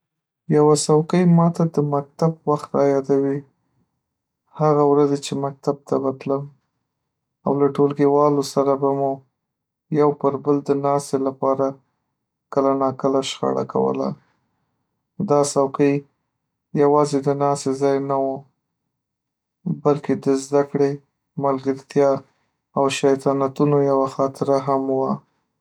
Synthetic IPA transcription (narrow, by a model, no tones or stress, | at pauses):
jawasawqəjmɑt̪ad̪əmak̚t̪abwaxt̪ɾɑjɑd̪awi | haɣawɾazet͡ʃemak̚t̪ab̚t̪abat̪ləm | awlaʈolɡewɑlosaɾabamu | jawpəɾbəld̪ənɑselapɑɾa | kəlanɑkəlaʃxa̰ɽa̰ka̰wə̰la̰ | d̪ɑsawqij | jawɑzed̪ənɑsezɑjnawo | balked̪əzd̪akɽe | malɡəɾt̪jɑ | awʃajt̪ɑnat̪unojawaxɑt̪ɪɾaɦamwa